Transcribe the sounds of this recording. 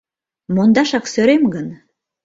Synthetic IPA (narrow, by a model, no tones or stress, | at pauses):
mond̪ɑʃɑksøɾemɡən